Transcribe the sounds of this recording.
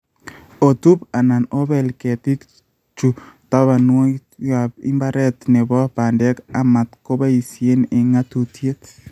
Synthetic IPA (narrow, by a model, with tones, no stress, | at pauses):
o˨t̪u˦pa˨na˨no˦bɛ˨lkɛ˨t̪i˦k | t͡ʃu˨t̪a˦βa˨nwo˦ja˨bḭ˦mba˦ɾɛ˦t̪nɛ˨bɔ˦pa˨ndɛ˦ka˨ma˨t̪ko˦ba˦i˨sje˦ne˨ŋa˦t̪u˨tje˦t̪